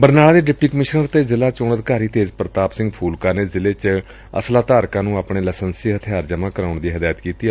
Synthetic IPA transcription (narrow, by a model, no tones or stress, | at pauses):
bəɾnaːlaːd̪eːɖɪp̚ʈiːkəmɪʃnəɾt̪eːzɪlaːt͡ʃoːnəd̪kaːɾiːt̪eːzpɾət̪aːpsɪ̃ŋɡpʰuːlkaːneːzɪleːt͡ʃ | ə̰slaːt̪aːɾkãːnũːaːpɳeːləsənsiːɦət̪ʰɪjaːɾd͡ʒəmãːkəɾaːʊɳd̪iːɦəd̪aːjət̪kiːt̪iː